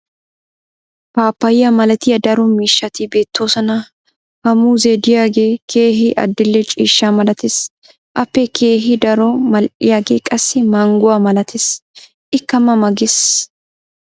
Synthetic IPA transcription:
paːpːɐjːɐmɐlɐt̪ɪjɐd̪ɐɾɔmiːʃːɐt̪ibe̞ːt̪ːo̞ːsɐnɐ | hɐmuːzed̪ɪjaːɡeːkʰeːɦɪʔɐ̰d̪ːɪlːɛt͡ʃʼḭːʃːaːmɐlɐt̪ɪs | ʔɐpːɛkeːɦɪd̪ɐɾɔmɐlʔɪjaːɡeːkʼɐsːɪmaːŋɡʊwaːmɐlɐt̪ʰɪs | ʔɪkːɐmɐmɐɡɪs

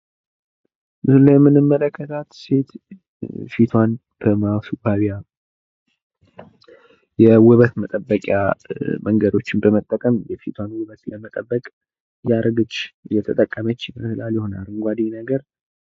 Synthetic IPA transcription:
mɨsɨlːəjɛmːɨnɨmːələkʰːət̪ʰat̪se̞t̪ | fit̪ʰwan | b̥əmawsuɡaβija | jɛwʊβət̪mət̪ʼəbːəkʼja̰mʔəŋɡəd̪o̞t͡ʃːɪnbəmət̪ʼːəkʼəmjɛfit̪ʰwanwɨβət̪ləmət̪ʼəbːəkʼ | jaɾɡɨt͡ʃʼːjɛt̪ʰət̪ʼəkʼːəmət͡ʃːməsɨlaljɪho̞na̰lɨŋɡʷad̪inəɡəɾ

